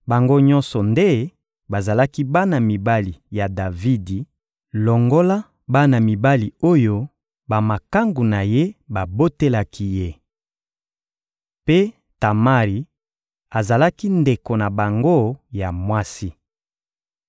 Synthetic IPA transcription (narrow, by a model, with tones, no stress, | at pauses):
ba˨ŋɡo˦ɲɔ̃˦nsɔ˨nde˦ | ba˨za˨la˦ki˦ba˦na˨mi˨ba˦li˨ja˨da˨vi˦di˨ | lɔ˨ŋɡo˦la˦ | ba˦na˨mi˨ba˦li˨o˦jo˦ | ba˨ma˨ka˦ŋɡu˨na˨je˦ba˨bo˦te˦la˦kʰi˦je˦ | pe˦ | ta˨ma˦ʁi˨˦ | a˨za˨la˦ki˦nde˨ko˨na˨ba˨ŋɡo˦ja˨mwa˦si˦